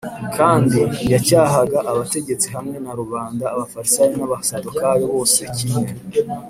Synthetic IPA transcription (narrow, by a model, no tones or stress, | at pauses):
kʰaːndijacaːɦaɡaʔaβate̞ɟe̞t͡siɦamŋe̞naɾuβaːndaːβafaɾisajinaβasatokajo̞βo̞ːseciɲe